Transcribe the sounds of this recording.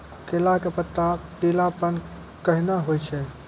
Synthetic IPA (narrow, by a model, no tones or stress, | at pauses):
kelakepət̪ːapilapən | kəɦinəɦojt͡ʃʰɛ